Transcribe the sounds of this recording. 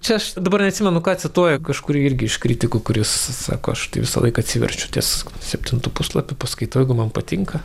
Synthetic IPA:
t͡ʃʲɛɐʃd̪ɐbɐɾnʲɛɐt̪sʲɪmʲɛnʊkɑːɐt̪ʲsʲɪt̪uɔjɛkɐʃkʊɾʲiɛɪrʲɡʲɪɪʃkɾʲɪt̪ʲɪkʊkʊɾʲɪssɑ̰ːko̰ːɐʃt̪ɐɪʋʲɪsɐ̰lˠɐɪkɐɐt̪ʲsʲiʋʲɛ̰rʲsʲt͡ʃʲʊt̪ʲɛ̰ssʲɛpʲtʲɪnt̪uːpuslˠɐpʲʊpɐskɐɪt̪ːɛɪɡʊmɐnpɐt̪ʲɪŋkɐ

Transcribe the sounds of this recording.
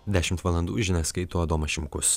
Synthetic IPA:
d̪ʲæːʃʲɪmt̪ʋɐlˠɐnd̪uːʒʲɪnʲɛskɐɪt̪uːɐd̪oːmɐʃʲɪmkʊs

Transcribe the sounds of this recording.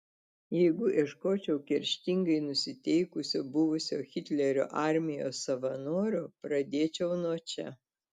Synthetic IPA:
jɛɪɡʊʔɪʃkoːt͡ʃʲɛʊkʲɛɾʲʃʲt̪ʲɪŋɡɐɪnʊsʲɪt̪ʲɛɪkʊsʲoːbʊʋʊsʲoːxʲɪt̪ʲlʲɛɾʲo̰ːʔɑˑɾʲmʲɪjo̰ːsɐʋɐnoːɾʲoːpɾɐd̪ʲeːt͡ʃʲɛʊnoɔːt͡ʃʲɛ

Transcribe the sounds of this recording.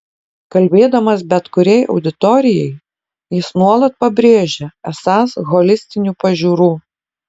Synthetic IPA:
kɐlʲbʲeːd̪ɐmɐsbʲɛt̪kʊɾʲɛɪʔɒ̰ʊd̪ʲɪt̪ɔɾʲɪjɛɪ | jɪsnuɔlˠɐt̪̚pɐbʲɾʲeːʒʲɛɛsɑːsɣɔlʲɪsʲt̪ʲɪnʲuːpɐʒʲuːɾuː

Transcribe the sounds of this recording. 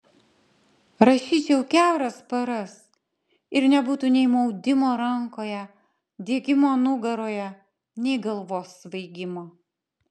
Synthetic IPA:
ɾɐʃʲiːt͡ʃʲɛʊkʲæˑʊɾɐspɐɾɐs | ɪɾnʲɛbuːt̪uːnʲɛɪmɔʊd̪ʲɪmoːɾɐŋkoːjɛ | d̪ʲiɛɡʲɪmoːnʊɡɐɾoːjɛ | nʲɛɪɡɐlˠʋoːsʋɐɪɡʲɪmoː

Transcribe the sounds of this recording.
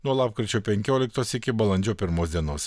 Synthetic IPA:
nuɔlˠɑːpkɾʲɪt͡ʃʲoːpʲɛŋʲkʲoːlʲɪkt̪oːsʲɪkʲɪbɐlˠɐnʲd͡ʒʲoːpʲɪɾmoːsʲd̪ʲiɛnoːs

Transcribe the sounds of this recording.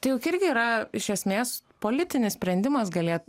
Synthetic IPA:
t̪ɐɪjʊkɪɾʲɡʲɪiːɾɐɪʃʲɛsʲmʲeːspoːlʲɪt̪ʲɪnʲɪssʲpʲɾʲɛnʲd̪ʲɪmɐsɡɐlʲeːt̪

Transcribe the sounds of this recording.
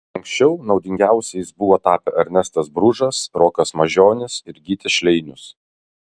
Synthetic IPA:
ɐŋʲksʲt͡ʃʲɛʊnɒʊd̪ʲɪŋʲɡʲæˑʊsʲɛjɪsbʊʋoːt̪ɑːpʲɛʔɐɾʲnʲɛst̪ɐsbɾʊʒɐsɾoːkɐsmɐʒʲoːnʲɪsɪɾɡʲiːt̪ʲɛʃʲlʲɛɪnʲʊs

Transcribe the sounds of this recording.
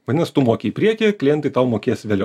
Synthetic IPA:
ʋɐd̪ʲɪnɐst̪ʊmoɔkʲeipʲɾʲiɛkʲiklʲɪjɛnt̪ɨɪt̪ɐʊmoːkʲeːsʲʋʲeːlʲɛʊ

